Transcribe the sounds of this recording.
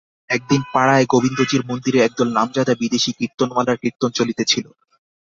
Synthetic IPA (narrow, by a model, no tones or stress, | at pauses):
ɛk̚d̪inpaɽaeɡobind̪od͡ʑiɾmond̪iɾeɛk̚d̪ɔlnamd͡ʑad̪abid̪eʃikiɾ̚t̪onmalaɾkiɾt̪ont͡ɕolit̪et͡ɕʰilo